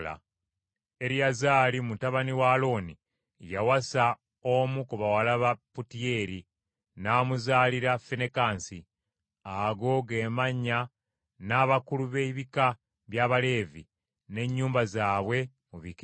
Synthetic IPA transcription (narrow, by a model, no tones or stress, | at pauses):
la̰ | e̞ɾiazaːlimutaβaniwaːlo̞ːni | jawasa | omukuβawalaβaputie̞ɾi | naːmuzaːliɾafenekaːnsi | aɡo̞ɡe̞ːmaɲːa | naːβakuluβe̞iβika | βjaβale̞ːvḭ | ne̞ɲːuːmbazaːβwe̞ | muβik